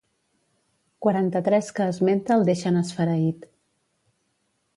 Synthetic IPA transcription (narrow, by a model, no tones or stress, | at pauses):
kwaɾant̪ət̪ɾɛskəːzment̪əlˠd̪eʃənəsfəɾəit̪